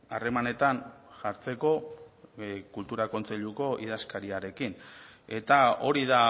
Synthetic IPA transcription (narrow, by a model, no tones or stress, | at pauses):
are̞mane̞t̪anʝaɾt͡se̞ko̞ | kult̪uɾako̞nt͡se̞ʎuko̞ʔið̞askaɾiaɾe̞kine̞t̪ao̞ɾiða